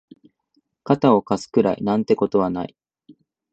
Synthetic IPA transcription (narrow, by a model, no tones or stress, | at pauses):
kat̪ao̞kasɨ̥kɯ̟ɾaḭnãnt̪e̞ko̞t̪o̞β̞ana̰i